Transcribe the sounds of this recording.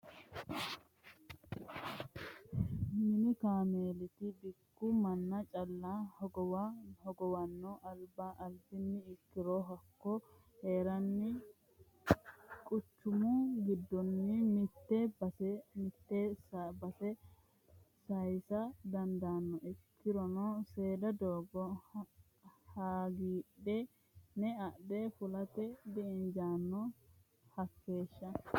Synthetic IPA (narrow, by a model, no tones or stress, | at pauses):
mɪnɪkaːmeːlɪt̪ɪbɪkːʊmɐnːɐt͡ʃʼɐlːahɔɡɔwahɔɡɔwɐnːɔʔɐlbaːʔɐldɪnːɪɪkːɪɾoːɦɐkːɔ | he̞ːɾɐnːɪ | kʼʊt͡ʃːʊmʊɡɪd̪ːɔnːɪmɪt̪ːɛ | mɪt̪ːesbɐsɛ | sɐjsɐd̪ɐnd̪aːnːɔʔɪkʰːɪɾɔnɔseːd̪ɐd̪oːɡɔ | haːɡiːɗɛ | nɛɐʔdɛfʊlɐt̪ɛd̪ɪɪnd͡ʒaːnːɔ | hɐkːeːʃːɐ